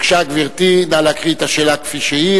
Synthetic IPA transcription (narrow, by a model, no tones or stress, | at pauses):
kʃaɡviʁt̪inalakʁit̪aʃelakfiʃii